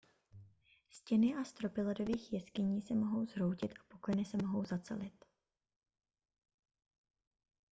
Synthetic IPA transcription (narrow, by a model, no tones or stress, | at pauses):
scɛnɪʔast̪ɾo̞pɪlɛdo̞viːxjɛskɪɲiːsɛmo̞ɦo̞wzɾo̞wcɪt̪ʔḁpo̞klɛjnɪsɛmo̞ɦo̞wzat͡sɛ̰lɪt̪